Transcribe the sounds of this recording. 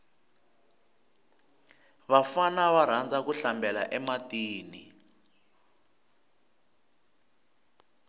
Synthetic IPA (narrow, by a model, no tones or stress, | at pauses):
βafanaβaɾ̤and͡zʱak̬uɬambʱɛlaʔɛmatiːni